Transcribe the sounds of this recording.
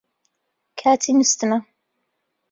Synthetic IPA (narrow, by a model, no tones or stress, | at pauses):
kʰaːt̪ʰinɨst̪ɨmɐ